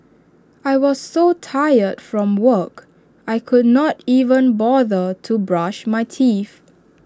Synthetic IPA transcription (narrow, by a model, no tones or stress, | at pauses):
ajwɔzsotʰajədfɹɔ̃mwək | ajkʰudnɔtivə̃nbɔðətʰubɹaʃmajtʰif